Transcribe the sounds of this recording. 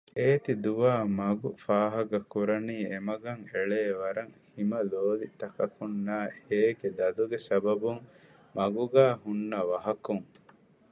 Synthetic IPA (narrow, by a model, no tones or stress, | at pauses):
eːt̪id̪uʋaːmɐɡufaːɦɐɡɐkuɾɐniːemɐɡɐŋeɭeːʋɐɾɐŋhimɐloːlit̪ɐkɐkunːaːeːɡed̪ɐd̪uɡesɐbɐbuŋ | mɐɡuɡæːɦunːɐʋɐɦɐkuŋ